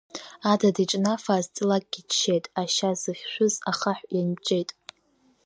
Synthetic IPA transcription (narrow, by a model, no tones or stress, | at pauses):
adadiʈ͡ʂʼnafazt͡sʼɨlakʼɡʲiʃʰejtʼaʃazɨχʲʃʷᶣʊzaχaħʷjant͡ʃʼejtʼ